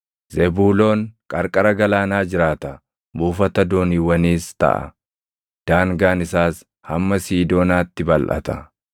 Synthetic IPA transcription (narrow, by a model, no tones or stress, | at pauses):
zɛbuːlo̞ːŋkʼɐɾkʼɐɾɐɡɐlaːnaːd͡ʒɪɾaːt̪ɐ | buːfɐt̪ɐd̪oːniwɐniːst̪ɐ̰ʔɐ̰ | d̪̥aːŋɡaːnɪsaːs | hɐmːɐsiːd̪o̞ːnaːt̪ːɪbɐlʔɐ̰t̪ɐ